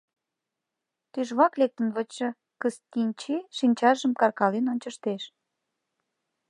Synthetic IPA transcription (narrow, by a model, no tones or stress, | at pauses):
t̪yʒβɑklek̚t̪ənβət͡ɕə̆ | kəst̪inʲt͡ɕiʃinʲt͡ɕɑʒəmkɑrkɑlenonʲt͡ɕəʃt̪eʃ